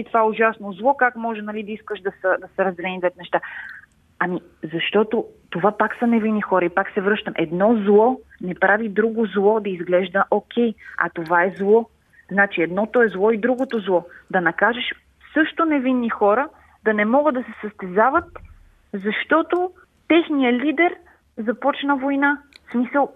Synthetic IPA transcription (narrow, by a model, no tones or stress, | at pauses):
it̪ovaɛʊʒasnozlˠɔkakmɔʒɛnɐlid̪ɐiskəʃd̪ɐsəd̪ɐsɛɾɐzd̪ɛlɛnid̪vɛt̪nɛʃt̪a | ɐmi | zɐʃt̪ɔt̪ot̪ovapaksɐnɛvinːixɔɾəipaksɛvɾɤʃt̪əmʔɛd̪nɔzlˠɔnɛpɾavid̪ɾuɡozlˠɔd̪ɐizɡlɛʒd̪əʔokʲɛjɐ̰t̪ovaɛzlˠɔ | znat͡ʃiɛd̪nɔt̪oɛzlˠɔid̪ɾuɡot̪ozlˠɔd̪ɐnɐkaʒɛʃ | sɤʃt̪onɛvinːixɔɾə | d̪ɐnɛmɔɡəd̪ɐsɛsəst̪ɛzavət̪ | zɐʃt̪ɔt̪o | t̪ɛxnijəlid̪ɛɾ | zɐpɔt͡ʃnəvojnasmisəlˠ